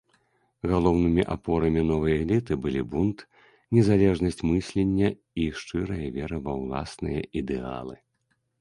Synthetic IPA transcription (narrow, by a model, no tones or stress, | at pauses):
ɣalˠɔwnɨmʲiʔapɔɾɐmʲinɔvɨjɐɛlʲit̪ɨbɨlʲibunt̪ | nʲɛzalʲɛʐnɐsʲt͡sʲmɨsʲlʲenʲːɐ | iʂt͡ʂɨɾɐjɐvʲɛɾɨvɐwlˠa̰snɨjɐ̰ʔid̪ɛa̰lˠɨ